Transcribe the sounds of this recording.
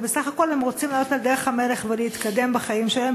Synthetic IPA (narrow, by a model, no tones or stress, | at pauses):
besaχako̞lemʁo̞t͡simlajotald̪eʁeχhame̞leχveleit̪kad̪embaχaimʃelem